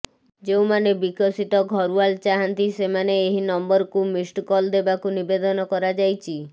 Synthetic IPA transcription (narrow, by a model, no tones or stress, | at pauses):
d͡ʒew̃manebikɔsit̪ɔɡʱɔɾualt͡ʃaɦant̪isemaneːɦinɔmbɔɾkumisʈkɔld̪ebakunibed̪ɔnɔkɔɾad͡ʒajt͡ʃʰi